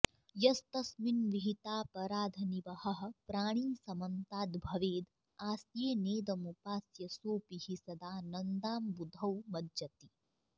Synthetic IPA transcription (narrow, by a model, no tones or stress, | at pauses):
jɐst̪ɐsminʋiɦit̪aːpɐɾaːd̪ʱɐniʋɐhɐɦɐ̆pɾaːɽ̃iːsɐmɐnt̪aːd̪bʱɐʋeːd̪ | aːsjeːneːd̪ɐmupaːsjɐsoːpihisɐd̪aːnɐnd̪aːmbud̪ʱɐwmɐdd͡ʒɐt̪i